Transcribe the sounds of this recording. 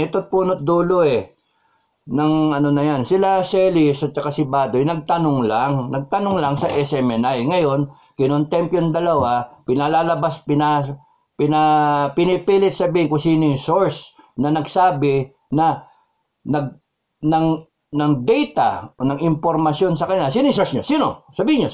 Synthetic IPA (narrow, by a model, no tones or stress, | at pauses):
ɛt̪ot̪̚puːnot̪̚d̪uːloɛ | nɐŋɐno̞nɐjansɪlasɛlɪsɐt̪̚t͡ʃɐkasɪbaːd̪ojnɐɡ̚t̪ɐnoŋlaŋnɐɡ̚t̪ɐnoŋlɐŋsɐʔɛsɛmɛnajŋɐjo̞n | kɪnont̪ɛmpjond̪ɐlɐwapɪnalaːlɐbaspɪna | pɪnapɪnɪpiːlɪt̪̚sɐbiːhɪŋkʊŋsiːnojsoɹs | nɐnɐɡsaːbɪ | nɐ | nɐɡ̚ | nɐŋ | nɐŋd̪ɛjt̪a̰onɐŋɪmpo̞ɾmɐsjo̞nsɐkɐnɪlasiːnʊjsoɹsɲosiːnosɐbiːhɪɲo